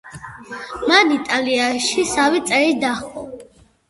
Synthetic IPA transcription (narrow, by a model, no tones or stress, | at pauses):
manit̪ʼaliaʃisavit̪sʼɛɾid̪aχɔ